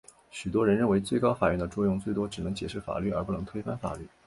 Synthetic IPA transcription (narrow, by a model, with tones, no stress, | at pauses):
ɕy˨˩t̪wɔ˥ɻə˧˥nɻə˥˩nwe˧˥ɪt͡swe˥˩ɪkɑ˥ʊfa˨˩jɥɛ˥˩nd̪ə˧ʈ͡ʂwɔ˥˧jʊ˥˧ŋt͡swe˥˩ɪt̪wɔ˥ʈ͡ʂɻ̩˨˩nɤ˧˥ŋt͡ɕjɛ˨˩ʂɻ̩˥˩fa̰˨˩ly˥˩ə˞˧˥pu˥˩nɤ˧˥ŋt̪ʰwe˥fa˥nfa̰˨˩ly˥˩